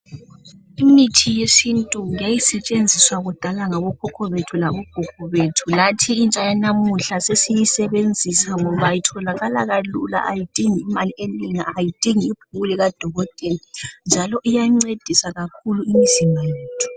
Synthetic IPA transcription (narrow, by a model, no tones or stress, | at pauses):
imitʰijesintʼujajisɛt͡ʃʼend͡zʱiswaɣud̥ʱalaŋaβɔkʰɔkʰɔβetʰulaβɔɡ̥ʱukɔβetʰulatʰiːnt͡ʃʼajanamuɬasesijisɛβend͡zʱisaŋɔβajitʰɔlaɣalaɣalṵla̰ʔajid̥ʱiŋiːmalieliŋaːjid̥ʱiŋiib̥ʰʱuɣuliɣad̥ʱɔɣɔtʼɛlind͡ʒʱalɔʔijaŋ͡ǀed̥ʱisaɣakʰuluimiz̥imajeːtʰu̥